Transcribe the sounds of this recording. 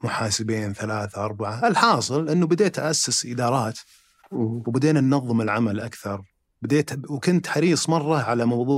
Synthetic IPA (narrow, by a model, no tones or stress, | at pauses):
mʊħaːsɪbeːnθalaːθaʔɑɾˤbaʕaʔɪlħɑːsˤɨlʔɪnːubɪd̪eːt̪ʔaʔasːɪsʔɪd̪ɑːɾˤɑːt̪ | wbɪd̪eːnanːɑðˤːɨmɪlʕamalʔakθɑɾˤ | bɪd̪eːt̪wkʊnt̪ħɑɾiːsˤmɑrˤːɑʕalamɑwðˤuː